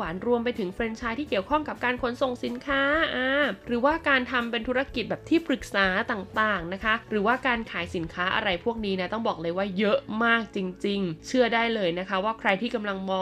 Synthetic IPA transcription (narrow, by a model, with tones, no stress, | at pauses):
aː˩˦nɾu˧əmpa˧jt̪ʰɯ˩˦ŋfɾe˧nt͡ɕʰaː˧jt̪ʰiː˥˩ki˨˩əwkʰɔ˥˩ŋka˨˩p̚kaː˧nkʰo˩˦nso˨˩ŋsi˨˩˦nkʰaː˦˥ʔaː˧˩ɾɯː˩˦waː˥˩kaː˧nt̪ʰa˧mpe˧nt̪ʰu˦˥ɾa˧ki˨˩bɛː˨˩p̚t̪ʰiː˥˩pʰɾɯ˨˩k̚saː˩˦t̪aː˨˩ŋt̪aː˨˩ŋna˦˥kʰa˦˥ɾɯː˩˦waː˥˩kaː˧nkʰaː˩˦jsi˩˦nkʰaː˦˥ʔa̰˧ɾa˧jpʰu˥˩ək̚niː˦˥na˥˩t̪ɔ˥˩ŋbɔː˨˩k̚lɤː˧jwaː˥˩jɤ˦˥ʔmaː˥˩k̚t͡ɕi˧ŋt͡ɕi˧ŋt͡ɕʰɯ˥˩ədaː˥˩jlɤː˧jna˦˥kʰa˦˥waː˥˩kʰɾa˧jt̪ʰiː˥˩ka˧mla˧ŋmɔː˧